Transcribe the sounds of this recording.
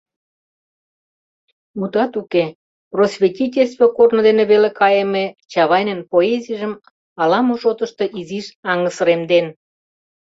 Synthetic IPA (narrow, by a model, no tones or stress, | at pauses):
ut̪ɑt̪uke | prosβʲetʲitʲelʲst̪vokornŏd̪eneβelekɑjemet͡ɕɑβɑjnenpoezijʒəm | ɑlɑmoʃot̪ə̆ʃt̪ɤ̽ʔiziʃɑŋəsə̆ɾemd̪en